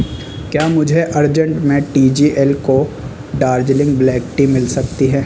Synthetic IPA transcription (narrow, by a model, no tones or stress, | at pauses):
kjaːmʊd͡ʒʱeʔɐɾd͡ʒə̃ɳʈmẽʈiːd͡ʒiːʔɛlko | ɖaːɾd͡ʒlɪ̃ŋɡ̚blɛːkʈimɪlsɐk̚t̪iɦɛː